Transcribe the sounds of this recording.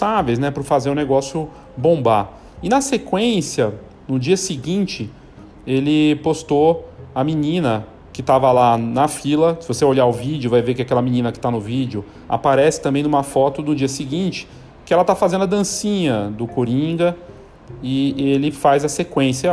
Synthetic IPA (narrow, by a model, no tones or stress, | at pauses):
savejznɛpʊɾfazeɾʊ̃neɡɔsjʊ | bõba | ɪnɐsekwẽsjɐ | nʊd͡ʒiɐsɪɡĩnt͡ʃɪ | elɪpost̪oɐminĩnɐ | kɪt̪avɐlanɐfilɐsɪvoseoʎaɾʊvid͡ʒʊvajveɾkɪakɛlɐmĩnĩnɐkɪ̥t̪anʊvid͡ʒʊ | a̰paɾɛsɪ̥t̪ɐ̃mbẽj̪̃ũmɐfɔt̪ʊnʊd͡ʒiɐsɪɡĩt͡ʃɪ̥ | kɪɛlɐt̪afazẽnd̪ʊɐd̪ɐ̃sĩɲɐd̪ʊkoɾĩɡɐ | ɪelɪfajzɐsekwẽsjɐ